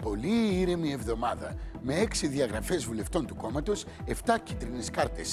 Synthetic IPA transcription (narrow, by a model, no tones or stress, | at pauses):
po̞liiɾemie̞vðo̞mɐðɐme̞e̞ksiðiɐɣɾɐfe̞zvule̞ft̪o̞nt̪uko̞mɐt̪os | e̞ft̪ɐcit̪ɾineskɐɾt̪e̞s